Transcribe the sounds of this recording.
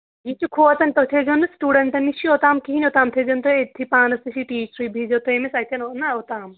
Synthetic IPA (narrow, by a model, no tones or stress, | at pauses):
jit͡ʃʰukʰoːt͡sɐnt̪ot̪ʰed͡ʒɐnɨsʈuːɖɐɳʈɐnit͡ʃʰiot̪aːmkiɦinʲot̪aːmt̪ʰed͡ʒɐnt̪oet̪ʰipaːnɐsiʃʰiʈiːt͡ʃɾibʱid͡ʒot̪ojmesɐt̪ʰɐnonːɐot̪aːm